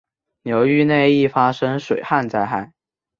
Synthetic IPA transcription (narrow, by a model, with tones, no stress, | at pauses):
njo˧˥ʊy˥˧ne˥˧ɪi˥˩fa˥ʂɤ˥ŋʂwe˨˩ɪxa˥˧nt͡sa˥˧ɪxa˥˩ɪ